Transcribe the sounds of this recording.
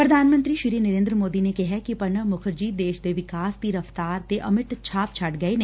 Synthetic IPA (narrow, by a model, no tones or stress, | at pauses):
pɾəd̪ʱaːnmə̃nt̪ɾiːʃɪɾiːnəɾẽːnd̪ɾəmoːd̪inekɪɦɛkipəɳəmʊkʰəɾd͡ʒiːd̪eːʃd̪eːʋɪkaːsd̪iːɾəft̪aːɾt̪eʔəmɪʈt͡ʃʰaːpt͡ʃʰɐʈɡəine